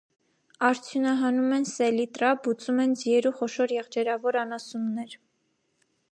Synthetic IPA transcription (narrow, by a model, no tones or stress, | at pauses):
ɑɾt͡sʰjunɑɦɑnumɛnsɛlit̪ɾɑbut͡sumɛnd͡zijɛɾuχɔʃɔɾjɛʁd͡ʒɛɾɑvɔɾɑnɑsumnɛɾ